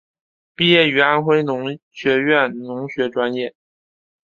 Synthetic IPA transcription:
pi˥˧jɛ˥˩y˧˥a˥nxwe˥ɪnʊ˧˥ŋɕɥɛ˧˥ɥɛ˥˩nnʊ˧˥ŋɕɥɛ˧˥ʈ͡ʂwa˥njɛ˥˩

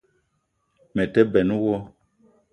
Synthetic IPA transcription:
mɛ˨tɛ˦bɛ˨nu˦wɔ˦

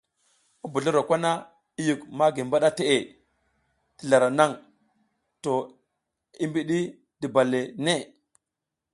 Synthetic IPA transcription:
u˦bu˨ɮu˦ɾo˨kʷa˦na˦ | i˦ju˨kma˦ɡi˨m˨ba˦ɗa˦te˨ʔe˨ | ti˨ɮa˨ɾa˨na˦˨ŋ | to˨ | i˦mbi˦ɗi˦ | di˨ba˨le˨ne˦˨

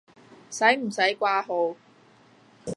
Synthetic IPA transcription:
sɐ˨˥jm̩˨˩sɐ˨˥jkʷaː˥ɦo˨˧˥w

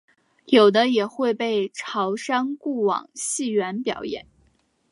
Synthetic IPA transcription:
jo˨˩ʊd̪ə˦jɛ˨˩xwe˥˧ɪpe˥˩ɪʈ͡ʂʰɑ˧˥ʊʂɑ˥ŋku˥˩wɑ̰˨˩ŋɕi˥˩ɥɛ˧˥npjɑ˨˩ʊjɛ̰˨˩˦n

